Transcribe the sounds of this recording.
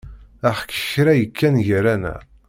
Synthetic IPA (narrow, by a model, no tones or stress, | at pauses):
æħkːə̥çɾæjəkːænʝəɾænæ̰